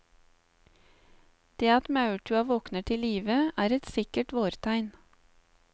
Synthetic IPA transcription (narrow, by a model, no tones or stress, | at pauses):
d̪̥eːɑt̪mɑʉʈʰʉɑʋɔknəʈʰɪliːʋəæːɾɛt̪sɪkəʈʋoːɾt̪ʰæɪn